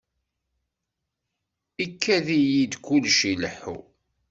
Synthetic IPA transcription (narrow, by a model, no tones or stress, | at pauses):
ikʰːæðijid̪kulʃiləħṵ